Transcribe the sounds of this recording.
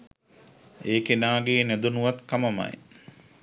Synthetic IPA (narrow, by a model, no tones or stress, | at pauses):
eːkenaːɡeːnæd̪unuʋat̪kamɐma̰j